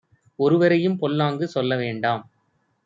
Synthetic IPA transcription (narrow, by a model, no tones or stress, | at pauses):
ɔɾɯʋɐɾɐjɯmpɔlːaːŋɡɯsɔlːɐʋeːɳɖaːm